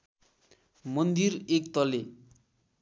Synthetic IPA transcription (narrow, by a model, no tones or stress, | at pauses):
mʌnd̪irekt̪ʌle